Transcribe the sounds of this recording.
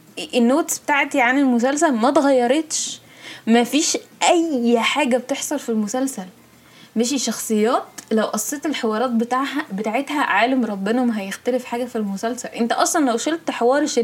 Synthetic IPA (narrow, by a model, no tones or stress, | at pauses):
ʔenːoːt̪sbet̪aːʕt̪iʕanelmos̬æls̬ælmæt̪ɣæjːɑɾˤeːt̪ʃ | mæfiːʃʔæjħaːɡæbt̪eħsˤɑlfilmosælsæl | meʃ̬iʃɑxsˤejːæːt̪læwʔɑsˤːeːt̪elħewɑːɾˤɑːt̪̚bet̪aːʕɦæbet̪aʕet̪hæʕaːlemɾˤɑbːenæmɦæjext̪ælefħaːɡæfilmosælsælʔent̪æʔɑsˤlɑnlæwʃolt̪ħewɑːɾˤʃe